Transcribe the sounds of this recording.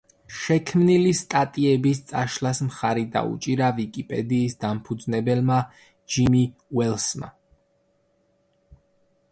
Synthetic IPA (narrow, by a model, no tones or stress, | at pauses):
ʃɛkʰmnilist̪ʼat̪ʼiɛbist̪sʼaʃlasmχaɾid̪a̰ṵt͡ʃʼiɾavikʼipʼɛ̰d̪iːsd̪ampʰud̪znɛbɛlma | d͡ʒimiwɛlsma̰